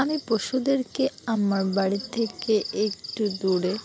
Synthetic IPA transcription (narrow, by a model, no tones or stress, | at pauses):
amipoʃud̪eɾkeamaɾbaɽit̪ʰekeekʈud̪uɽe